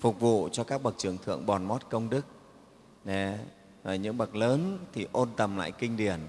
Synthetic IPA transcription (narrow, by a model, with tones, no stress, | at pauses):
fʊ˨˩k̚vṵ˧˨t͡ɕɔ˧kaː˦˥k̚ɓə˨˩k̚t͡ɕɨ˨˩əŋt̪ʰɨ̰˧˨əŋɓɔ˨˩nmo˦˥t̚kə˧wŋ͡mɗɨ˦˥k̚ | ne˨˦ | vəː˨˩ɲɨ̰˧˥ŋɓə˨˩k̚ləː˨˦nt̪ʰi˨˩ʔo˧nt̪ə˨˩mla̰ː˧˨jkï˧ŋ̟ɗi˨˩ən